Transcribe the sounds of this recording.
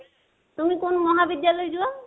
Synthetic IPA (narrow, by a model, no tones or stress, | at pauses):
t̪umikonmɔɦabid̪jalɔjd͡ʑua